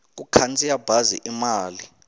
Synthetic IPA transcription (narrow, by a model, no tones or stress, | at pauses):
k̬ukʰant͡sʰʼijab̥ʱazḭʔimaːli